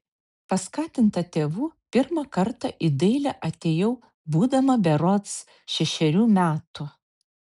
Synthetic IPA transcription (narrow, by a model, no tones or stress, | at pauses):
pɐskɑːt̪ʲɪnt̪ɐt̪ʲeːʋuːpʲɪɾmɐkɐɾt̪ɐʔɪd̪ɐɪlʲɛʔɐt̪ʲeːjɛʊ | buːd̪ɐmɐbʲɛɾɔt̪s | ʃʲɛʃʲɛɾʲuːmʲæːt̪ʊ